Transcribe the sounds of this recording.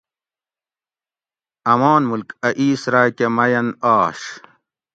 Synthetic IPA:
ɐmaːnmulkɐʔiːsɾaːjkemɐjɐnaːʂ

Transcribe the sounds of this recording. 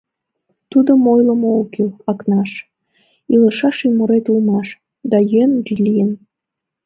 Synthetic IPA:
t̪ud̪əmojləmookilɑknɑʃ | iləʃɑʃymuɾet̪ulmɑʃ | d̪ɑjønuʒilʲijən

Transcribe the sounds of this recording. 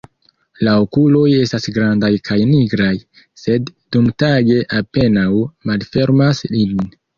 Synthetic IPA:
laokulo̞je̞stasɡɾandajkʰajniɡɾaj | se̞dːumtaɡe̞ʔape̞nawmalfe̞ɾmaslin

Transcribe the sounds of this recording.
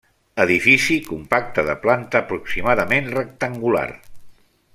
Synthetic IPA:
əðifisikumpak̚t̪əðəplant̪əːpɾuksimaðəmenrək̚t̪əŋɡula̰r

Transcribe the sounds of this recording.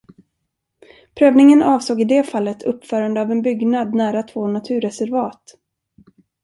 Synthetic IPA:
pʰɾøːvnɪŋənʔɑːvsoːɡɪd̪ɛːfalːət̪ʰɵpːfœːɾand̪əavɛnbʏɡnad̪næːɾat̪ʰv̥oːnat̪ʰʉ̟ːɾɛsɛɾvɑːt̪

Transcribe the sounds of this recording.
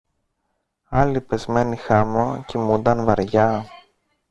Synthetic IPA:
ɐlipe̞zme̞nixɐmocimund̪ɐnvɐɾʝɐ

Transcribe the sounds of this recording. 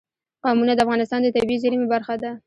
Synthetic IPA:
qɑmunad̪əafɣɑnɪs̬t̪ɑnd̪ət̪abizaɾimebaɾxad̪a

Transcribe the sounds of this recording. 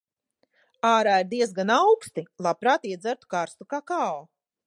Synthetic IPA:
aːɾaːiɾd̪iɛsɡanawkst̪ilˠapɾaːt̪iɛd̪zæɾt̪u̥kaɾst̪ukaːkaːo

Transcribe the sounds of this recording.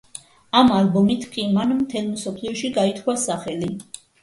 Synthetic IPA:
amalbumit̪ʰkʼimanmt̪ʰɛlˠmsɔpʰliɔʃiɡait̪ʰwasaχɛli

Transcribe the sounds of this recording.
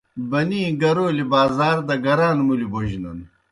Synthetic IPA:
bɐniːɡɐɾoːlibaːzaːɾd̪ɐɡɐɾaːnmuliboʑinɐn

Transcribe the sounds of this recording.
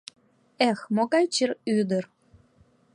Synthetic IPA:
exmoɣɑjt͡ɕiryd̪ər

